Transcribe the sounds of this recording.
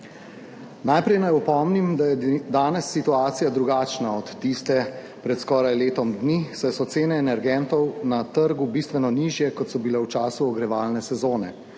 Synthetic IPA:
najpɾɛjnajɔpɔmnimd̪ajɛd̪aːnɛsːit̪uaːt̪sijad̪ɾuɡaːt͡ʃnaɔt̪ːist̪ɛ | pɾɛt̪skɔːɾajleːt̪ɔmd̪nisɛjsɔt̪seːnɛːnɛɾɡɛnt̪ɔwnat̪əɾɡubist̪ʋɛnɔniːʒjɛkɔt̪sɔbilɛwt͡ʃaːsuɔɡɾɛʋaːlnɛsɛzoːnɛ̰

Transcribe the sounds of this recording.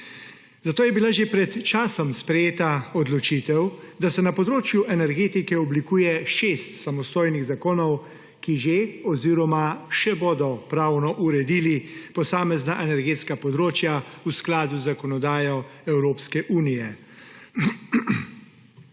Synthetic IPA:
zat̪oːjɛbilaʒepɾɛt̪t͡ʃaːsɔmspɾɛjeːt̪aɔd̪lɔt͡ʃit̪ɛwd̪asɛnapɔd̪ɾoːt͡ʃjuʔɛnɛɾɡeːt̪ikɛɔblikuːjɛʃeːst̪samɔst̪oːjniɣzakoːnɔw | kiʒeɔziɾɔmaʃɛboːd̪ɔpɾaːwnɔʔuɾɛd̪iːlipɔsaːmɛznaʔɛnɛɾɡeːt̪skapɔd̪ɾoːt͡ʃjausklaːd̪uzakɔnɔd̪aːjɔɛwɾoːpskɛʔuːnijɛ

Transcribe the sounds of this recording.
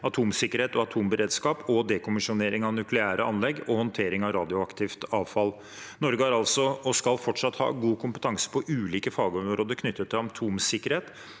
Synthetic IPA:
ɑt̪ʰuːmsɪkːəɾeːt̪ɔɑt̪ʰuːmbəɾeːd̪skɑːpɔd̪ɛkʰʊmɪʂʊneːɾɪŋɑʋnʉklɪæːɾəɑnlɛɡːɔhɔnt̪ʰeːɾɪŋɑʋɾɑːd̪ɪʊɑkt̪ʰɪft̪ɑːʋfɑl | nɔɾɡəhɑɾɑlsɔɔskɑlfɔʈʂɑt̪hɑ̰ːɡuːkʰʊmpə̥t̪ʰɑŋsə̥pʰɔʔʉːliːkəfɑːɡəɔmɾoːd̪əɾkʰnʏt̪ːət̪ʰːɪlɑnt̪ʰuːmsɪkːəɾheːt̪

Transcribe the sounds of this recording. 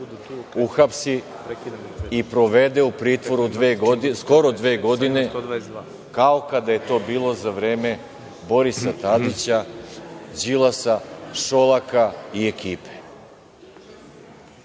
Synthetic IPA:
uxapsi | ipɾo̞ʋe̞d̪e̞upɾiːt̪ʋo̞ɾud̪eːɡ̪sko̞ɾod̪ʋeːɡo̞d̪ine̞ | kaokad̪aje̞t̪o̞ːbiːlˠo̞zaʋɾe̞ːme̞ | bo̞ɾisat̪ad̪it͡ɕa | d͡ʑilˠasaʃo̞lˠakaiekiːpe

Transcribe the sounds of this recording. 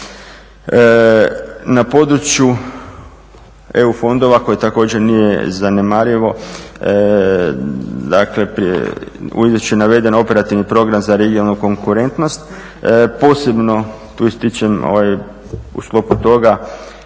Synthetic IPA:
napo̞d̪ɾut͡ɕju | e̞ufo̞nd̪o̞ʋako̞jit̪ako̞ːd͡ʑeɾnijḛzanemaɾiʋo̞ | d̪akle̞pɾ | ṵizot͡ʃuenaʋe̞d̪e̞no̞pe̞ɾat̪iʋnipɾo̞ɡɾamzaɾeɡionalnuko̞ŋkuɾe̞nt̪no̞st̪ | po̞ːse̞bno̞ | t̪uist̪it͡ʃemo̰ʋaj | ṵsklo̞put̪o̞ɡa

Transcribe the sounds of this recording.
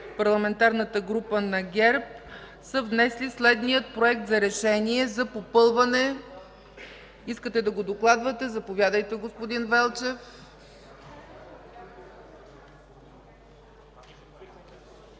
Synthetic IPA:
pɐɾlˠɐmɛnt̪aɾnət̪əɡɾupənɐɡʲɛɾp̚ | səvnɛslislɛd̪nijət̪̚pɾoɛk̚t̪zɐɾɛʃɛniɛzɐpopɤlˠvɐnɛ | iskət̪ɛd̪ɐɡod̪oklˠad̪vɐt̪ɛzɐpovʲjad̪əjt̪ɛɡospod̪invɛlˠt͡ʃɛf

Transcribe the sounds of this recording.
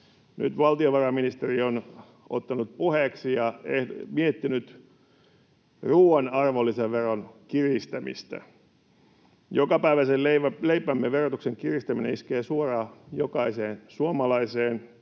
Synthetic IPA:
ny̰t̪ʋɑlt̪ioʋɑrɑminist̪erion | o̰t̪ːɑnut̪̚puheksijɑehmiet̪ːinyt̪ | ruːɑnɑrʋolːiseʋʋeronkirist̪æmḭst̪æ̰ | jokɑpæiʋæseleæleipæmːeʋerot̪ukseŋkirist̪æminḛiskeːsuorɑːjokɑiseːnsuomɑlɑiseːn

